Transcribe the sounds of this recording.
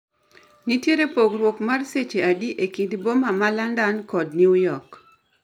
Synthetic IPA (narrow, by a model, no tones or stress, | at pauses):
nitjeɾepoɡɾwokmarset͡ʃeadiʔekɪdbomamalandankɔdnjiujɔk